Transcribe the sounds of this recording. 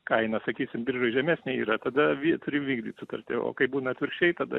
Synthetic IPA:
kɐɪnɐsɐkʲiːsʲɪmbʲɪrʒoɪʒʲɛmʲæːsʲnʲɛiːɾɐt̪ɐd̪ɐʋʲit̪ʊɾʲɪʋʲiːɡd̪ʲiːt̪sʊt̪ɐrʲt̪ʲɪ̰o̰ːkɐɪbuːnɐt̪ʲʋʲɪɾʲkʃt͡ʃʲɛɪt̪ɐd̪ɐ̰

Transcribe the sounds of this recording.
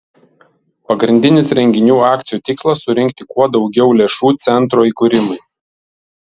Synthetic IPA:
pɐɡɾʲɪnʲd̪ʲɪnʲɪsɾʲɛŋʲɡʲɪnʲuːɑːk̚t̪sʲɪjuːt̪ʲɪkslˠɐsːʊɾʲɪŋʲkt̪ʲɪkuɔd̪ɒʊɡʲɛʊlʲeːʃuːt̪sʲɛnt̪ɾoːiːˑkʊɾʲɪmɐɪ

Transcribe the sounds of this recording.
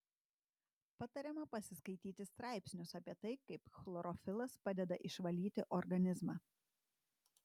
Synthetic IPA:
pɑt̪ɐɾʲɛmɐpɐsʲɪskɐɪt̪ʲiːt̪ʲɪst̪ɾɑˑɪpʲsʲnʲʊsɐpʲiɛt̪ɐɪkɐɪpxlˠɔɾɔfʲɪlˠɐspɑːd̪ʲɛd̪ɐʔɪʃʋɐlʲiːt̪ʲɪʔɔɾɡɐnʲɪzmɑː

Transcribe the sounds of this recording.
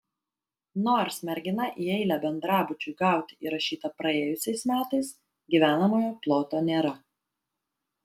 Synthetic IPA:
noːɾsʲmʲɛɾʲɡʲɪnɐʔiːɛɪlʲɛbʲɛnd̪ɾɑːbʊt͡ʃʲʊɪɡɑˑʊt̪ʲɪiɾɐʃʲiːt̪ɐpɾɐeːjʊsʲɛɪsmʲæːt̪ɐɪs | ɡʲiʋʲæːnɐmoːjoːplˠoːt̪oːnʲeːɾɐ

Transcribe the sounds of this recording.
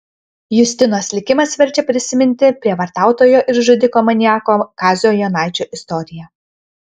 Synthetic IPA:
jʊsʲt̪ʲɪnoːslʲɪkʲɪmɐsʋʲɛɾʲt͡ʃʲɛpʲɾʲɪsʲɪmʲɪnʲt̪ʲɪpʲɾʲiɛʋɐɾt̪ɑˑʊt̪oːjoːʔɪɾʒʊd̪ʲɪkoːmɐnʲɪjɑːkoːkɑːzʲjoːjonɑˑɪt͡ʃʲuːʔɪst̪ɔɾʲɪjɛ

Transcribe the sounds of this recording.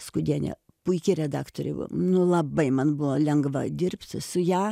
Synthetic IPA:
skʊd̪ʲiɛnʲɛ̰ | pʊɪkʲɪɾʲɛd̪ɑːkt̪oːɾʲɛ̰nʊlˠɐbɐɪmɐnbʊʋoːlʲɛŋɡʋɐd̪ʲɪrʲpʲt̪sʊjæː

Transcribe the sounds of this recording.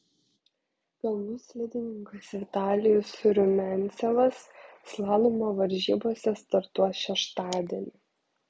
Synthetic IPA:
kɐlˠmʊsʲlʲɪd̪ʲɪnʲɪŋkɐsʋʲɪt̪ɑːlʲɪjʊsɾʲʊmʲɛnʲt̪sʲɛʋɐsːlˠɑːlˠumoʋɐɾʲʒʲḭːboːsʲɛst̪ɐɾt̪uɔʃʲɛʃt̪ɑːd̪ʲiɛnʲɪ

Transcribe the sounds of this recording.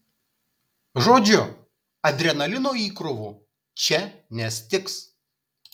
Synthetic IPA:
ʒoːd͡ʒʲʊ | ɐd̪ʲɾʲɛnɐlʲɪnoːiːkɾʊʋuː | t͡ʃʲɛnʲɛsʲt̪ʲɪks

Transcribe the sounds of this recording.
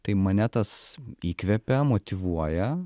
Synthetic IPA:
t̪ɐɪmɐnʲɛt̪ɐsiːkʋʲɛpʲɛmoːt̪ʲɪʋuɔjɛ

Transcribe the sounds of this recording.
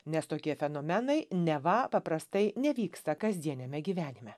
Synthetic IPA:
nʲɛst̪oːkʲiɛfʲɛnoːmʲɛnɐɪnʲɛʋɐpɐpɾɐst̪ɐɪnʲɛʋʲiːkst̪ɐkɐzʲd̪ʲiɛnʲɛmʲɛɡʲiːʋʲæːnʲɪmʲɛ

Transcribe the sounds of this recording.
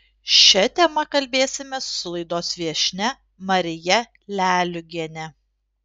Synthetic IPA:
ʃʲɛt̪ʲɛmɐkɐlʲbʲeːsʲɪmʲɛsʊ̥ːʊlˠɐɪd̪oːsʋʲiɛʃʲnʲɛ | mɐɾʲɪjɛ | lʲæːlʲʊɡʲiɛnʲɛ

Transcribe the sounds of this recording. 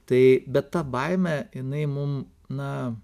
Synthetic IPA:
t̪ɐɪbʲɛt̪t̪ɐbɐɪmʲɛjɪnɐɪmʊm | nɐ

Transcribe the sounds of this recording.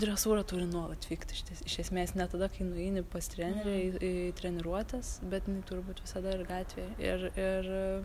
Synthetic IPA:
d̪ʲɾʲɛsuːɾɐt̪uːɾʲɪnuɔlˠɐt̪ʲfʲiːkt̪ʲɪʃʲt̪ʲɪsɪʃʲɛsʲmʲeːsnʲɛt̪ɐd̪ɐkɐɪnʊɛɪnʲɪpɐst̪ʲɾʲæːnʲɛɾʲɛɪt̪ʲɾʲɛnʲɛɾuɔt̪ʲɛsbʲɛt̪jɪnɐɪt̪uːɾʲɪbuːt̪ʋʲɪsɐd̪ɐɪrɡɑːt̪ʲʋʲeːjɪrɪr

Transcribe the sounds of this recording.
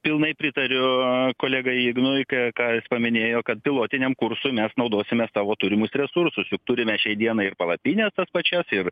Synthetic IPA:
pʲɪlˠnɐɪpʲɾʲɪt̪ɐɾʲʊkoːlʲɛɡɐɪɪɡnʊɪkɛkɑːjɪspɐmʲɪnʲeːjoːkɐt̪̚pʲɪlˠoːt̪ʲɪnʲɛmkʊɾsʊːmʲɛsnɐʊd̪oːsʲɪmʲeːsst̪ɑːʋoːt̪ʊɾʲɪmʊsɾʲɛsʊrsʊsjʊk̚t̪ʊɾʲɪmʲɛʃʲɛɪd̪ʲiɛnɐɪɪrpɐlˠɐpʲiːnʲɛst̪ɐspɐt͡ʃʲɛsɪr

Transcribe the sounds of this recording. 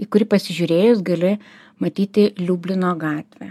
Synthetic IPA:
iːkʊɾʲɪpɐsʲɪʒʲuːɾʲeːjʊsɡɐlʲɪ | mɐt̪ʲiːt̪ʲɪlʲuːbʲlʲɪnoːɡɑːt̪ʲʋʲæ̰

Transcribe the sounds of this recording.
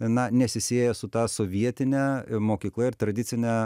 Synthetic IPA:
nɐnʲɛsʲɪsʲeːjɛsʊt̪ɑːsoːʋʲiɛt̪ʲɪnʲɛmoːkʲiːklˠɐɪɾt̪ɾɐd̪ʲɪsʲɪnʲɛ

